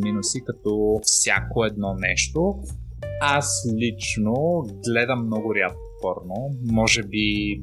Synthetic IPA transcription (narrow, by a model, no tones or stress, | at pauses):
minosikɐt̪ɔfsʲja̰koɛd̪̚nɔnɛʃt̪o | aslʲit͡ʃnoɡlɛd̪ɐmːnɔɡʊɾjat̪̚kopɔɾnomɔʒɛbi